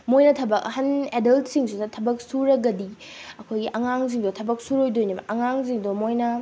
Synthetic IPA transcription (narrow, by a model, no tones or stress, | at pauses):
mojnɐtʰɐbɐk̚ɐhɐnedɐltsiŋsudɐtʰɐbɐk̚suɾɐɡɐdi | ɐkʰojɡiʔɐŋaŋziŋdotʰɐbɐk̚suɾojdojnibɐ̰ʔɐŋaŋziŋdomojnɐ